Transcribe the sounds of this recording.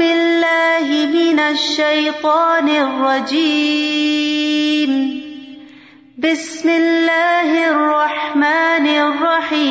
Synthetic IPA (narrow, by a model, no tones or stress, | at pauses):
ɪlːaːhɪmɪnaʃːajt̪ˤɑːnɪrˤːɑd͡ʒiː | m | bɪsmɪlːaːhrˤːɑħmaːnɪrˤːɑħiː